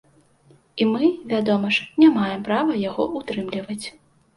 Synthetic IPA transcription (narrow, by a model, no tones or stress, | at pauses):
imɨvʲad̪ɔmɐʂnʲamajɛmpɾavɐjaɣɔʔut̪ɾɨmlʲivɐt͡sʲ